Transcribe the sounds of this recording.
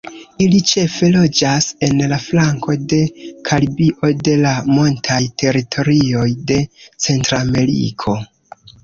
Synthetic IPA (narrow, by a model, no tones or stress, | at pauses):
ilit͡ʃe̞fe̞lo̞d͡ʒase̞nlaflaŋko̞de̞kʰalibiʔo̞de̞lamo̞ntʰajtʰe̞ɾitʰo̞ɾio̞jde̞t͡se̞ntɾame̞ɾḭkʰo̞